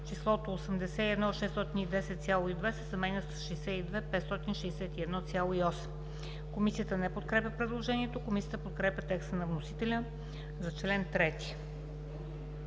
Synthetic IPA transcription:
t͡ʃislˠɔt̪oosəmd̪ɛsɛiɛd̪nɔʃɛst̪ɔt̪inid̪ɛsɛt̪sʲjalˠoid̪vɛsə̥sɐmɛnʲəsʃɛjsɛid̪vɛpɛt̪st̪ɔt̪inʃɛːsɛt̪iɛd̪nɔt̪sʲalˠoiɔsɛm | komisijət̪ənɛpot̪kɾɛpʲəpɾɛd̪lˠoʒɛniɛt̪okomisijət̪əpot̪̚kɾɛpʲjət̪ɛkst̪ənɐvnosi̥t̪ɛlʲə | zɐt͡ʃlɛnt̪ɾɛt̪i̥

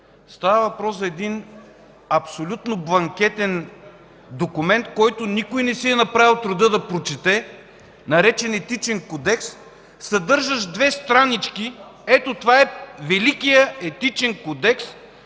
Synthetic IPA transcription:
st̪avəvɐpɾɔsɐɛd̪in | ɐpsolʲut̪noblˠɐŋk̟ɛt̪ɛn | d̪okʊmɛnt̪̚kɔjt̪ʊnikʊjnɛsiɛnɐpɾavilˠt̪ɾʊd̪ɤd̪ɐpɾot͡ʃɛt̪ɛ | nɐɾɛt͡ʃɛnɛt̪it͡ʃɛŋkod̪ɛksː | ɐd̪ɤɾʒəʃd̪vɛst̪ɾanit͡ʃkiɛt̪ot̪ovaɛvɛlikijəɛt̪it͡ʃɛŋkod̪ɛks

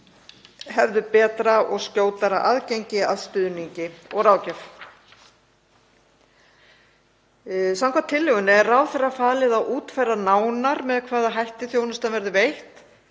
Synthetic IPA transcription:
hɛvðʏpɛːt̪ɾaʔɔɣscoːwt̪aɾaʔa̰ðcejɲcɪaðst̪ʏðniɲcɪɔɣraːwcɛf | sawŋkʰvat̪ʰɪlːʏɣʏnɪɛrawθɛrːafaːlɪðawʔuːt̪fajranaːwnaɾmɛðkʰvaːðaɦajht̪ɪθjoːwnʏst̪anvɛɾðʏvejht̪

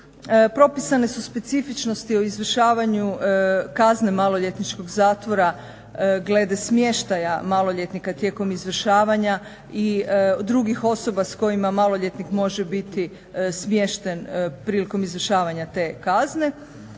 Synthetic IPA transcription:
pɾo̞pisane̞suspe̞t̪sifit͡ʃno̞st̪io̞izʋr̩ʃaːʋaɲukazne̞malo̞ʎet̪nit͡ʃko̞ɡzaːt̪ʋo̞ɾa | ɡle̞d̪esmje̞ʃt̪ajamalˠo̞ʎet̪nikat̪je̞ːko̞mizʋr̩ʃaːʋaɲa | id̪ɾuɡixo̞so̞basko̞imamalˠo̞ʎe̞t̪nikmo̞ʒebit̪i | smje̞ʃt̪e̞npɾiːliko̞mizʋr̩ʃaːʋaɲat̪e̞ːkazne̞

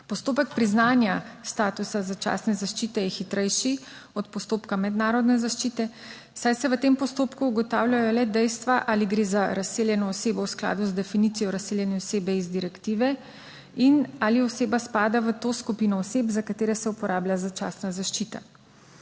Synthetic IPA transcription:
pɔst̪oːpəkpɾiznaːnjast̪aːt̪usazat͡ʃa̰snɛzaʃt͡ʃiːt̪ɛjɛxit̪ɾɛjʃi | ɔt̪pɔst̪oːpkamɛd̪naːɾɔd̪nɛzaʃt͡ʃiːt̪ɛ̥ | sajsɛʋət̪empɔst̪oːpkuːɡɔt̪aːwlʲjajɔlɛd̪ɛjst̪ʋaʔaliɡɾeːzaɾaseːljɛnɔːseːbɔwskla̰ːd̪uzd̪ɛfinit̪sijɔɾasːeːljɛnɛɔseːbɛizd̪iɾɛkt̪iːʋɛ | inaːliɔseːbaspaːd̪aʋət̪oskupinɔːseːbzakat̪eːɾɛsɛupɔɾaːblʲjazat͡ʃa̰ːsnazaʃt͡ʃiːt̪a̰

